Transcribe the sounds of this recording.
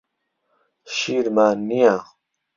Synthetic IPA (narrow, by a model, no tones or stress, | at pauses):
ɕiːɾmaːnijãː